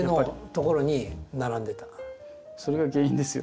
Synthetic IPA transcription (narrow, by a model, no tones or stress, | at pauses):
no̞t̪o̞ko̞ɾo̞ɲ̟inaɾãnd̪e̞t̪ḁ | so̞ɾeɡaɡe̞ːĩnd̪e̞sɨjo